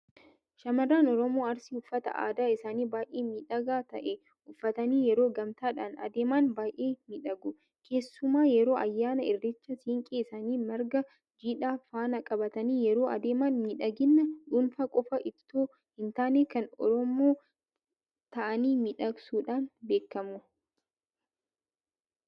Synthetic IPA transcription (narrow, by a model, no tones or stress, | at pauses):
ʃɐmɐrːaːnɔɾɔmoːɐɾsɪʊfːɐt̪ɐ̰ʔa̰ːd̪aːɪsaːniːbaːʔeːmiːᶑɐɡaːt̪ɐʔɛ | ʊfːɐt̪ɐniːjɛɾoːɡɐmt̪aːᶑaːnɐ̰d̪eːmaːnbaːjʔeːmɪᶑɐɡʊ | kʰe̞ːsːʊmaːjɛɾo̞ːʔɐjːaːnɐɪrːɪt͡ʃːɐsiːŋkʼeːsaːniːmɐɾɡɐ | d͡ʒiːᶑaːfaːnɐkʼɐbɐt̪ɐniːjɛɾo̞ːɐ̰d̪eːmanmɪᶑɐɡɪnːɐᶑuːnfaːkʼɔfɐʔɪbt̪ːoː | hɪnt̪aːneːkɐnɔ̰ɾɔmoː | t̪ɐʔɐniːmɪᶑɐɡsuːᶑaːnbe̞ːkːɐmʊ